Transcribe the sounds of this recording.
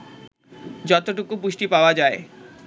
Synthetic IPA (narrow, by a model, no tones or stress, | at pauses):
d͡ʑɔt̪oʈukupuʃʈipaoad͡ʑae